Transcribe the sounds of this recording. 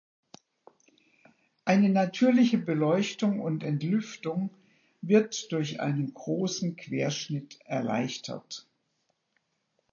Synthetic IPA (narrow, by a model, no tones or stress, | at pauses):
ʔaɪnənatʰyːɐlɪçəbəlɔʏçtʊŋʊntɛntlʏftʊŋ | vɪɐtd̥ʊɐçʔa̰ɪnənɡʁoːsn̩kʰv̥eːɐʃnɪtʔɛɐla̰ɪçtʰɐ̰t